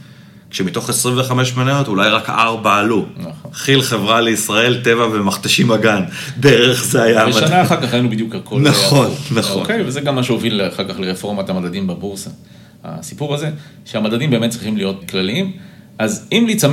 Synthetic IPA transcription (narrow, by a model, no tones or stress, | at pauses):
kʃemito̞χesʁĩɱveχameʃmenajot̪ulajʁakaʁbaːlunaχoχilχe̞vʁaleisʁae̞lt̪e̞vavemaχt̪aʃimaɡan | deʁeχzeajavʃanaːχaʁkaχaenubid̪jukhakʰonaχao̞nːaookejvezeɡamːaʃeovilaχaʁkaχleʁefo̞ʁmat̪amadad̪imbabuʁsa | ha̰sipuʁaze̞ʃeamad̪ad̪imbemet̚t͡sʁiχimlijo̞t̪klaliimʔazimlit͡sam